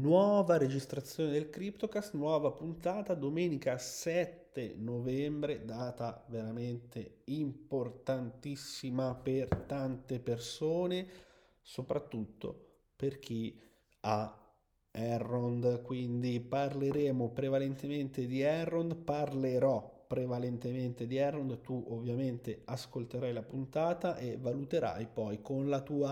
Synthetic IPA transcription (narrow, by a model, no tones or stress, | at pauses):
nwɔːvaɾed͡ʒist̪ɾat̪sːjoːned̪elkɾipt̪okast̪nwɔːvapunt̪aːt̪ad̪omɛːnikasɛt̪ːenovɛmbɾed̪aːt̪aveɾament̪e | import̪ant̪isːimapert̪ant̪epersoːne | sopɾat̪ːut̪ːo̰ | perk̟i | a | ɛrːond̪kwind̪iparleɾɛːmopɾevalent̪ement̪ed̪iɛrːond̪parleɾɔpːɾevalent̪ement̪ed̪iɛrːond̪t̪uʔovːjament̪easkolt̪eɾajlapunt̪aːt̪aʔevːalut̪eɾa̰jpɔjkonlat̪uːa